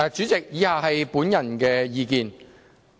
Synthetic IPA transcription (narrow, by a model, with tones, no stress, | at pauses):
t͡syː˨˥t͡sɪ˨k̚jiː˨˥haː˨ɦɐ˨jpuː˨˥njɐ˨˩nkɛː˧jiː˧kiː˨n